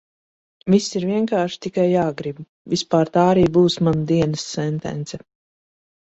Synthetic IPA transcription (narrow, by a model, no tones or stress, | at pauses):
visːiɾviɛŋkaːɾʃi̥t̪ikajːaːɡɾib | vispaːɾt̪aːɾiːbuːsmanud̪iɛnɐsːɛnt̪ɛ̰nt̪sɛ